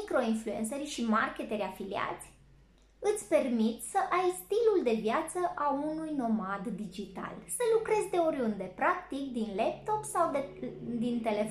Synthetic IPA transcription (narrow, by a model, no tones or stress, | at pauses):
kɾo̞influensərʲʃimarke̞t̪eɾʲafilia̰t̪sʲ | ɨt̪sʲpe̞rmit̪ʲsəʔajst̪iluld̪e̞vjat̪səʔaunujno̞mad̪ːid͡ʒit̪a̰lsəlukɾe̞zʲd̪e̞oɾiund̪e̞pɾak̚t̪ik̚d̪inlep̚t̪o̞psawd̪ed̪int̪e̞le̞